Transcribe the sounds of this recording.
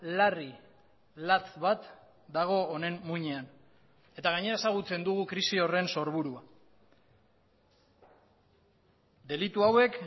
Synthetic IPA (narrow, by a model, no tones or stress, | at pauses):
lari | lat͡sβat̪ | d̪aɣ̞o̞ːne̞mmuɲean | e̞t̪aɣaɲe̞ɾae̞saɣ̞ut͡se̞nd̪uɣukɾisio̞re̞nso̞ɾβuɾua | d̪e̞lit̪uawe̞k